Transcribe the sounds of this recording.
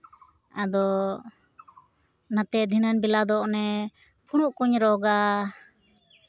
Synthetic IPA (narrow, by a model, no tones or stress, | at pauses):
ad̪ɔ | nat̪ɛʔd̪ʱinanbilad̪ɔʔnɛ | pʰuɽ̃uʔkuɲɾɔɡa